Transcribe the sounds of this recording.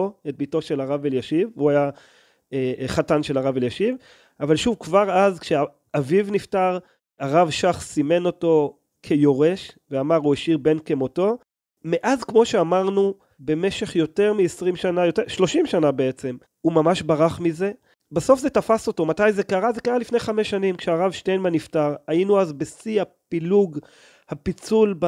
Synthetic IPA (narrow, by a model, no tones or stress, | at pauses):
oet̚bito̞ʃe̞laʁaveljaʃivuaja | eχatanʃelaʁaveljaʃiv | avalʃuvkvaʁazkʃea | avivniftaʁ | aʁavʃaχsime̞no̞to̞ | kʰe̞jo̞ʁe̞ʃveamaʁueʃiʁbe̞nkemo̞to̞ | meʔazkmo̞ʃe̞amaʁnu | be̞meʃe̞χjo̞teʁmiesʁimʃanajo̞teʃlo̞ʃimʃanabe̞et͡se̞m | umamaʃbaʁaχmize̞ | baso̞fzetafaso̞to̞matajze̞kaʁazekaʁalifnejχame̞ʃːanimkʃeaʁavʃtejnmaniftaʁainuazbesiapiluɡ | hapit͡sulb